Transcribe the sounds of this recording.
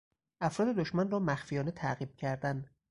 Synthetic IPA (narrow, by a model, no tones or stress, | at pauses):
ʔæfɾɒːd̪e̞d̪oʃmænrɒːmæxfijɒːnet̪ʰæɣiːb̥̚cʰæɾd̪æn